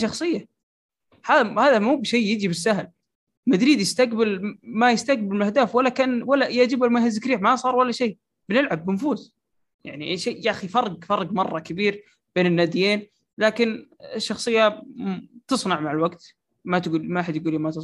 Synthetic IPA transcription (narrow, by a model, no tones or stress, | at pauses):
ʃɑxsˤɨjːa | haːhaːðamuːbʃeːjɪd͡ʒibɪsːaɦl | mad̪ɾiːd̪jɪst̪aqbɪlmajɪst̪aɡbɪlmɪlʔahd̪aːfwalːakaːnwalːajaʔd͡ʒɪbalmahazɪkɾiːħmasˤɑːɾˤwalːaʃeː | b̥nɪlʕabːɪnfuːs | ja̰ʕniʔʃejaxifɑrˤːɑɡfɑrˤːɑɡmɑrˤːɑkabiːɾ | b̥eːnɪnːaːd̪ɪjeːn | laːkɪnɪʃːɑxsˤɨjːa | t̪ɨsˤnɑʕmaʕɪlwaɡt̪ | mat̪ɡuːlmaʔaħad̪jɡuːliːmat̪ɨ